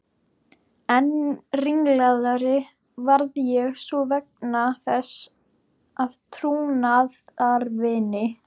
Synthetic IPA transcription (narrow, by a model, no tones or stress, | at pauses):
ɛnriŋlaðaɾɪ | vaɾðjɛɣsvɔvɛk̚naθɛs | aðt̪ʰɾuːnaðaɾvɪnɪ